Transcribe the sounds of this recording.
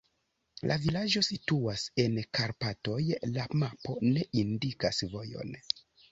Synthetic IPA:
lʔa̰vilad͡ʒo̞situase̞nkaɾpato̞jlamapo̞ne̞ʔindikasvo̞jo̞̰n

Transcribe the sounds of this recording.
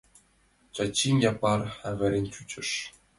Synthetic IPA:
t͡ɕɑt͡ɕːinʲjɑpɑrævʲɘ̆ɾʲenʲt͡ɕut͡ɕɘ̆ʂ

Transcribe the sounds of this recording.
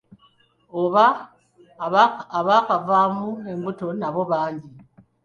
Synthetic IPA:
oβa | βakavaːmue̞mbuto̞naβo̞βaːɲɟi

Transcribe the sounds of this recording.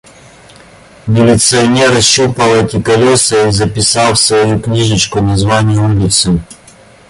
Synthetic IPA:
mʲɪlʲɪt̪sɨɐnʲeɾɕːupəlˠɛtʲɪkɐlʲosɨizɐpʲɪsalˠsvɐjuknʲiʐɨt͡ɕkʊnɐzvanʲɪjʊulʲɪt̪sɨ

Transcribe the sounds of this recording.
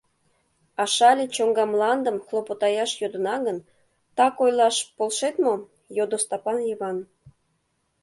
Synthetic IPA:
ɑʃɑlʲet͡ɕoŋɡɑmlˠɑnd̪əmxlˠopot̪ɑjɑʃjod̪ə̆nɑɣən | t̪ɑkojlˠɑʃpolʃet̪mo | jod̪ost̪ɑpɑnjəβɑn

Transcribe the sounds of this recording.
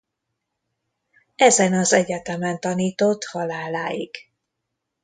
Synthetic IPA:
ɛzɛnɒzɛɟɛt̪ɛmɛnt̪ɒniːt̪o̞t̪hɒlaːlaːjḭɡ̥

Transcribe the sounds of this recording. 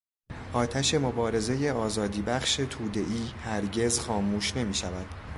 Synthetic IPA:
ʔɒːt̪ʰæʃe̞mo̞bɒːɾe̞ze̞je̞ɒːzɒːd̪iːbæχʃe̞t̪ʰuːd̪e̞ʔiːhæɾɟe̞zxɒːmuːʃne̞miːʃævæd̪̥

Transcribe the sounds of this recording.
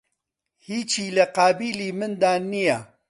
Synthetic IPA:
hiːt͡ʃiːlɐqaːbiːliːmɨnd̪aːnija

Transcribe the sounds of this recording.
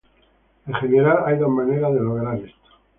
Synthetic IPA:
eχeneɾalajðomaneɾaðeloɣɾaɾest̪o̥

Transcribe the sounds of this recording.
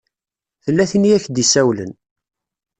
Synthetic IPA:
θəlːæθinijæçd̪isæwlə̰n

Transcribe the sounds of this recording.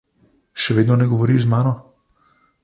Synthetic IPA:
ʃɛʋeːd̪nɔnɛɡɔʋɔɾiːʃzmaːnɔ

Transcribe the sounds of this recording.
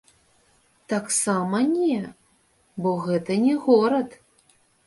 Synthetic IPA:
t̪aksamɐnʲɛ | bɔɣɛt̪ɐnʲɛɣɔɾɐt̪

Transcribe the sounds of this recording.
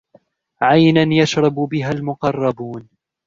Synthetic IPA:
ʕajnanjaʃɾˤɑbbɪɦalmʊqɑrˤːɑbuːn

